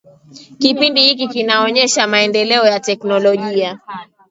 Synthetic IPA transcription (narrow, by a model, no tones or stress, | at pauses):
kipindihik̬ikinaɔɲɛʃamaɛndɛlɛɔjatɛknɔlɔʄia